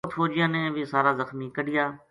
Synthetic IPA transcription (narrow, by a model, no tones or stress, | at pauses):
t̪ʰfoːd͡ʒɪjãːnẽːʋiːsaːɾaːzəxmiːkəɽɪjaː